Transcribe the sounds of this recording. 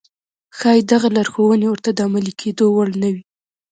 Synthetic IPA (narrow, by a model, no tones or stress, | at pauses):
xɑjid̪aɣalaɾxowənewəɾt̪ad̪əamalikʰed̪owalnawi